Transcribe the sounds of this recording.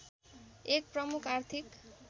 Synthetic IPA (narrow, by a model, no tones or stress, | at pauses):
ek̚prʌmukʰart̪ʰik